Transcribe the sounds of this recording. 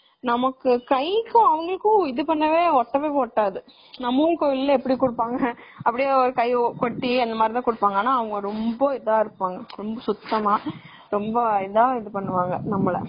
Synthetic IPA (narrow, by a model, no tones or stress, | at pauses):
nɐmɐkːɯkɐɪkːʊ̃ɐʋɐŋɡɐɭɯkːʊ̃ɪðɯpɐɳːɐʋeːɔʈːɐʋeːkɔʈːaːðɯ | nɐmːuːnkojɪllːɐɛpːɐɽikʊɽɯpːaːŋɡɐːpːɐɽɪjaːɔɾɯkɐɪkɔʈːiɐnd̪ɐmaːd̪ɾɪt̪ãːkʊɽɯpːaːŋɡɐaːnːaːɐʋɐŋɡɐɾɔmbɐɪðaːɪɾɯpːaːŋɡɐɾɔmbɐsʊt̪ːɐmaː | ɾɔmbɐɪðaːɪðɯpɐɳːɯʋaːŋɡɐnɐmːɐɭɐ̰